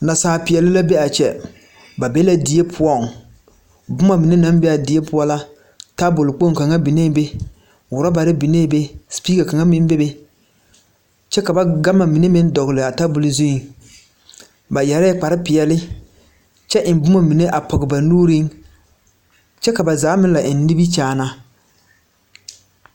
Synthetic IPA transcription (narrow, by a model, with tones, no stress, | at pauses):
na˨saː˨pɪ˨ɛ˨lɪ˦la˦be˦a˨t͡ʃɛ̰˨ | ba˨be˦la˦di˨je˦pʰʊ˦ɔ˦ŋ | bʊ˦ma˨mi˨ne˦na˦mbɛ˦a˨di˨e˦pʊ˦ɔ˦la˦ | ta˦bʊ˨lɪ˨k͡po˦ŋ˨ka˨ŋa˦bi˨neː˦be˦ | wʊ˨ɾa˦ba˨ɾɪ˦bi˨ne˦be˦spiː˦ka˨ka˨ŋa˦mɪ˦n˦be˦be˦ | t͡ʃɛ˦ka˨ba˦ɡa˦ma˨mi˨ne˦mɪ˦n˦dɔ˨ɣɪ˨lɪ˨a˨ta˦bʊ˨lɪ˨˦zʊ˦˨ŋ | ba˨jɛ˨ɾa˦k͡pa˨ɾɪ˦pɪ˨jɛ˨lɪ˦ | t͡ʃɛ˦ʔɪ˨mbʊ˦ma˨mi˨ne˦ʔa˨pɔ˨ɡɪ˨ba˨nuː˦ɾi˦ŋ | t͡ʃɛ˦ka˨ba˨zaː˨˦mɪ˦nla˨ʔɪ˨nː˦i˦bi˦t͡ʃaː˦˨na˦